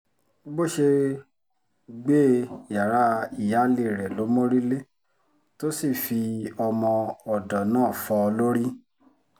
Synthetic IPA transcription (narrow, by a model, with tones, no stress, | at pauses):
bo˦ʃe˧ | ɡ͡be˦ja˨ɾa˧i˨ja˨˦le˧˨ɾɛ˨lo˨˦mõ˦ɾi˦le˦ | to˦si˦˨fi˧ɔ˧mɔ̃˧ɔ˨dɔ̃˨nãː˦˨fɔ˧lo˦ɾi˦